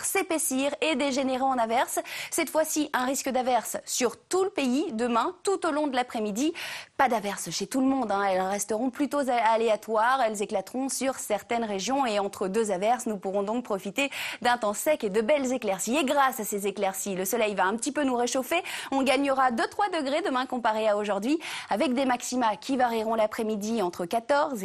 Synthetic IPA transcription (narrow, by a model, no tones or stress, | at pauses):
ʁsepesiʁed̪eʒeneʁeɑ̃navɛʁsːɛt̪fwasiʔɛ̃ʁiskəd̪avɛʁsːyʁt̪uləpeid̪əmɛ̃t̪ut̪olɔ̃d̪əlapχɛmid̪ipad̪avɛʁsʃet̪uləmɔ̃d̪ɛ̃ɛlʁɛst̪əʁɔ̃plyt̪ozaaleat̪waʁɛlzeklat̪ʁɔ̃syʁsɛʁt̪ɛnʁeʒjɔ̃eɑ̃t̪χəd̪øzavɛʁsnupuʁɔ̃d̪ɔ̃k̚pχɔfit̪ed̪ɛ̃t̪ɑ̃sɛked̪əbɛlzeklɛʁsieɡʁasasezeklɛʁsiləsɔlɛjvaɛ̃pət̪ipønuʁeʃofeɔ̃ɡaɲəʁad̪øt̪χwad̪əɡʁed̪əmɛ̃kɔ̃paʁeaoʒuʁd̪ɥiavɛk̚d̪emaksimakʲʰivaʁiʁɔ̃lapχɛmid̪iɑ̃t̪χəkat̪ɔʁz